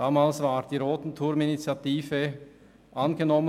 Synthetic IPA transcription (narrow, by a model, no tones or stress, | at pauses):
aːmaːlsv̥aːʁd̥iːʁoːtn̩tʰʊɾminit͡sjatiːfə | ʔɑnɡənɔmə